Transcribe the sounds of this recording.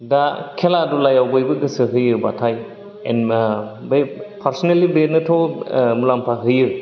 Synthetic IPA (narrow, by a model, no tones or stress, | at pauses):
dakʰeladulajawɡojbɯɡɯsɯɦɯjɯbatʰaj | ḛnmbepʰaɾsɔnelːibetnɯtʰɔmulampʰaɦɯjɯ